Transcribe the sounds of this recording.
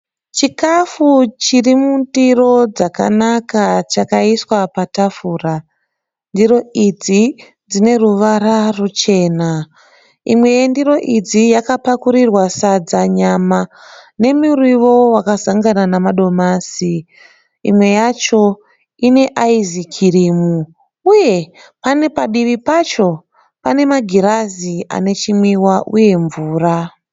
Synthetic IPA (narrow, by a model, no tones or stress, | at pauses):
t͡ʃikafut͡ʃirimundiro̞d͡zaka̰nakat͡ʃakaiswapatafuːra | ndiro̞id͡zi | d͡zine̞ruʋararut͡ʃe̞ːna | ḭmwe̞jendiɾo̞ʔid͡zijakapakuɾirwasad͡zaɲamane̞murwiʋo̞wakasaŋɡananamaɗo̞maːsi | ḭmwe̞jat͡ʃo̞ | ine̞ʔaizikʰiriːmu | uje̞ | pane̞paɗiʋipat͡ʃo̞ | pane̞maɡʱiɾazia̰ne̞t͡ʃimwiwaʔuje̞ɱvuːra